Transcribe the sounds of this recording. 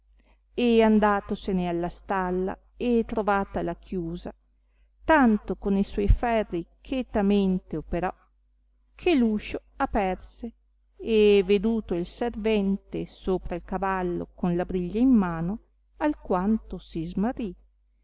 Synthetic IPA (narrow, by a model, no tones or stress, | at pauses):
eand̪aːt̪osenealːast̪alːa̰ | et̪ːɾovaːt̪alakʰjuːza | t̪ant̪okoniswɔjfɛrːikʰet̪ament̪eopeɾɔ | kʰeluːʃo | apɛrse | eved̪uːt̪oilservɛnt̪esoːpɾailkavalːo̰konlabɾiʎːaimːaːno | alkwant̪osizmarːi